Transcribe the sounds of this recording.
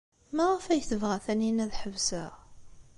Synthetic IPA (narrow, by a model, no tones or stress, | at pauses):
mæʁəfæjθəvʁæθæninæðħəvsæ